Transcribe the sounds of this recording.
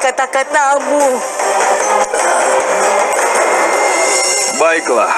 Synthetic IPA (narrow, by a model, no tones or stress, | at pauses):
kat̪akat̪̚nabu | baikla̰